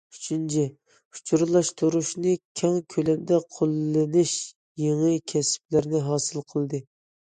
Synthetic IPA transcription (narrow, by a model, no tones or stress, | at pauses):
yt͡ʃʰynt͡ʃʰɛ | u̥t͡ʃʰuɾlˠɑʃt̪ʰuɾuʃnɨkʲʰɛŋkʲʰølɛmd̪ɛqʰolˠːɪnɪʃ | jeŋɨkʲʰɛsp̚lɪɾnɪɦɑːsɨlˠqʰəlˠd̪ɨ